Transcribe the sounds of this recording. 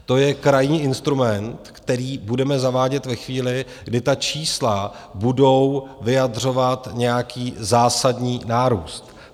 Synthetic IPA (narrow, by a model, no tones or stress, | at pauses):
t̪o̞jɛkɾajɲiːʔɪnst̪ɾumɛnt̪kt̪ɛɾiːbudɛmɛzavaːɟɛt̪vɛxviːlɪ | ɡdɪt̪at͡ʃiːsla | budo̞wvɪjadr̝o̞vat̪ɲɛjakiːzaːsadɲiːnaːɾuːst̪